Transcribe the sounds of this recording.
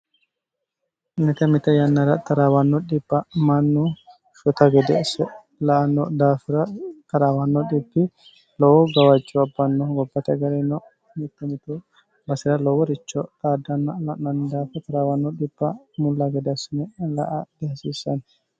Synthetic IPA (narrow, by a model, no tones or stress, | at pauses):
mɪt̪ɐmɪt̪ːɐjɐnːɐɾɐt̪ɐɾaːwɐnːɔɗɪbːɐmɐnːu | ʃɔt̪ɐɡɛd̪ɛɐsɛ | lɐʔɐnɔd̪aːfɪɾɐt̪ɐɾaːwɐnːɔɗɪbːɪ | lɔwɔɡɐwɐd͡ʒːɔɐbːɐnːɔɡɔbːɐt̪ɐɡɐɾɛnɔ | mɪt̪ːɛmɪt̪ɔ | bɐsɪɾɐlɔwɔɾɪt͡ʃːɔt̪aːd̪ɐnːɐlɐnɐnd̪aːfɛt̪ɐɾaːwɐnːɔɗɪb̥ːɐ | mʊlːɐɡɛd̪ɛɐsɪnɛlɐ̰ʔɐd̪̥ɛhɐsiːsɐn